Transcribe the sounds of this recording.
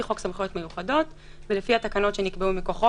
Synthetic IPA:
iχo̞ksamχjo̞t̪mejuχado̞t | velefihatakano̞tʃe̞nikbeumiko̞χo

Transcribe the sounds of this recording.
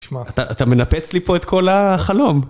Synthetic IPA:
ʃaat̪aʔːt̪ame̞napet͡slipo̞et̪kʰo̞laχalo̞m

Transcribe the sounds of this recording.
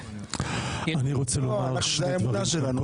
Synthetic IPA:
aniʁot͡selomaʁlaʃlemunaʃelanu

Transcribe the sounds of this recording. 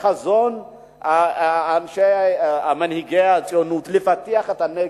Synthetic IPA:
azon | anʃejamanhiɡejat͡sʼjonut̪lefateaχetane

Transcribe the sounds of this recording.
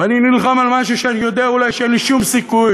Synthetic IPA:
aninilχamalmaʃuʃeanijo̞d̪eaulajʃeenliʃumsikuj

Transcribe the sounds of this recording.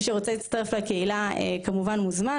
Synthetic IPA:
ʃeʁo̞t͡selit͡stɐʁeflekeilaḛkamuvanmuzma

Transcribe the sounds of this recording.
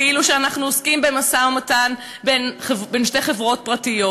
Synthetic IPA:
iluʃeanaχnuoskimbe̞masaomatan | benχebenʃte̞jχe̞vʁo̞t̚pʁatijo̞

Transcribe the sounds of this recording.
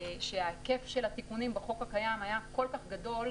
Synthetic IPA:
ʃʃeake̞fʃe̞lhat̪ikunimbeχo̞kakajamajako̞lkaχɡad̪o̞l

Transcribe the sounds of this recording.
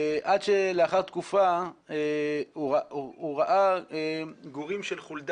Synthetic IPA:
ʔad̪ʃeleaχaʁt̪kufa | uauʁaʔaeɡuʁimʃelχuld̪

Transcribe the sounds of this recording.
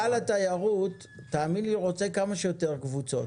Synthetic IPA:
alat̪ajaʁut̪ː | aːminliʁo̞t͡se̞kamaʃejo̞t̪e̞ʁkvut͡so̞

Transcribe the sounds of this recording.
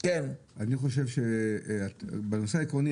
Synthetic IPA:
ken | aniχo̞ʃ̬e̞vʃeabeno̞seaikʁoni

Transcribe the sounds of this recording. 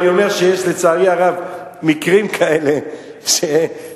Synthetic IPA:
jo̞me̞ʁʃejeʃlet͡saːʁiaʁavmikʁimkʰaele̞ | ʃe

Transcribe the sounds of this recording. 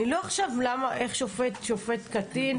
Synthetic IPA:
nilo̞aχʃavlamaʔe̞χʃofetʃofe̞t̪katin

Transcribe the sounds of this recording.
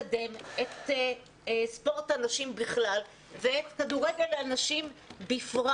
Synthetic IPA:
de̞met̪ː | spo̞ʁtanaʃimbiχlal | veetkaduʁeɡeʁleanaʃimbifʁa

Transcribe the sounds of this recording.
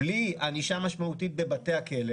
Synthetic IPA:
lianiʃamaʃmaut̪it̪̚bebat̪e̞akele

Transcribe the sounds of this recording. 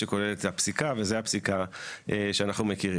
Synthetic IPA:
eko̞leletapsikave̞zeapsikaʔeʃeanaχnumekiʁi

